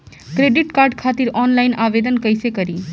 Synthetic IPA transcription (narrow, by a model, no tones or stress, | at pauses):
kɾeɖiʈkaːɾɖkʰat̪iɾɔnlaɪnaʋed̪ənkəjsekəɾiː